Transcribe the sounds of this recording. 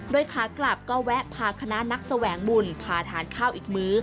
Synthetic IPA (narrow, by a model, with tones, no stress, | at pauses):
doː˧jkʰaː˨˦kla˨˩p̚kɔː˧˩wɛ˦˥ʔpʰaː˨˩kʰa˧na˦˥na˦˥k̚sa˧wɛː˩˦ŋmu˨˩npʰaː˨˩t̪ʰaː˩˦nkʰaː˥˩wʔiː˨˩k̚mɯː˦˥